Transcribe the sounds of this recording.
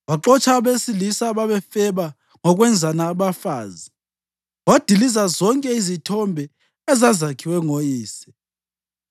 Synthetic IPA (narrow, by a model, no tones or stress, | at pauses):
waǃɔt͡ʃʰʼaβesilisaβaβɛfɛβa | ŋɔɣwɛnd͡zʱanaːβafaːzi | wad̥ʱilizazɔŋkʼɛizitʰɔmbʱɛ | ɛzazakʰiwɛŋojiːsɛ̥